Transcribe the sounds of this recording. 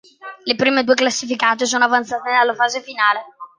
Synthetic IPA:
lepɾiːmed̪uːeklasːifikaːt̪̬es̬oːnoavant̪saːt̪ed̪alːafaːzefinaːle

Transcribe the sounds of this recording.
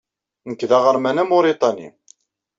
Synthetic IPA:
nəkːðaʁəɾmænæmoɾit̪ˤɑnḭ

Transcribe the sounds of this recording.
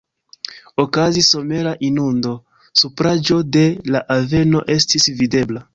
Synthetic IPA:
o̞kaziso̞me̞ɾaʔinundo̞ | supɾad͡ʒo̞de̞laʔave̞no̞ʔe̞stisvide̞bla

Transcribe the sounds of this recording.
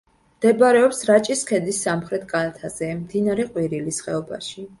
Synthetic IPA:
md̪̥ɛbɾɛɔpsɾat͡ʃʼiskʰɛd̪isːamχɾɛt̪̚ʰkʼalat̪ʰazɛmd̪inaɾɛqʼwiɾilisχɛɔba̰ʃi

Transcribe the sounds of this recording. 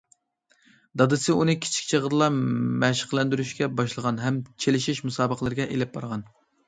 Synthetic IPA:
d̪ɑd̪ɨsɨunɨkʲʰi̥t͡ʃʰi̥kʲt͡ʃʰeʁəɾlˠɑmɛʃə̥qlˠɛnd̪yɾyʃkʲɛbɑʃlˠəʁɑnɦɛmt͡ʃʰelɪʃiʃmusɑːbəqʰəlˠɨɾɪɡʲɛʔelɪp̚bɑɾʁɑn

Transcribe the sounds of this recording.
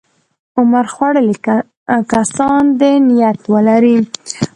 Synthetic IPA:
ʊmaɾxwaɽəl | kasɑnd̪enijat̪wəlaɾi

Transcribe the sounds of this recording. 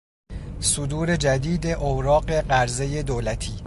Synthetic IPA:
sod̪uːɾe̞d͡ʒæd̪iːd̪eʔowɾɒːɢe̞ɢæɾze̞je̞d̪oːlæt̪ʰiː

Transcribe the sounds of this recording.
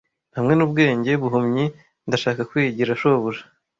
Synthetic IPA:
hamŋe̞nubɡe̞ːɲɟe̞βuɦumɲi | ndaʃaːkakwiːɟiɾaʃoβuɾḁ

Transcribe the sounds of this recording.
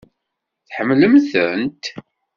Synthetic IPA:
θħəmːləmθənt̪

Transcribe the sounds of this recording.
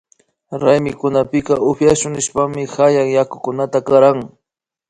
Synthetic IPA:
ɾajmɪkʊnapɪkɑʔʊpjaʃʊŋnɪʃpaŋmɪxajaŋjakʊkʊnat̪akaɾaŋ

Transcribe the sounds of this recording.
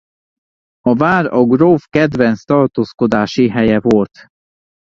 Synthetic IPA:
ɒvaːrɒɡroːfkɛd̪vɛnst̪ɒːrt̪oːskod̪aːʃiɦɛjɛvolt̪

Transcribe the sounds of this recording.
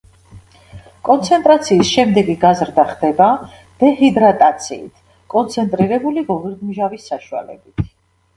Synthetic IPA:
kʼɔnt̪sʰɛnt̪ʼɾat̪sʰiːsʃɛmd̪ɛɡiɡazɾd̪aχd̪̥ɛba | d̪̥ɛhid̪ɾat̪ʼat̪sʰḭːt̪ʰ | kʼɔnt̪sʰɛnt̪ʼɾiɾɛbuliɡɔviɾd̪mʒavisːaʃua̰lɛ̰bit̪ʰ

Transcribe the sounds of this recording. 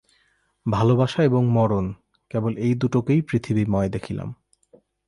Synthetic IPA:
bʱalobaʃaeboŋmɔɾon | kebolejd̪uʈokejpɾit̪ʰibimɔed̪ekʰila̰m

